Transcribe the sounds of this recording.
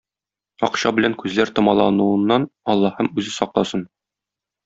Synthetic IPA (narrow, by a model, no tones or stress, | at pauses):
ɒ̰qɕɑbɘ̆læŋkʉzlæɾt̪ŏmɑlˠɑnuɤ̆nːɑnɒlˠːɑhɤmʉzɘsɒq̚lˠɑsɤn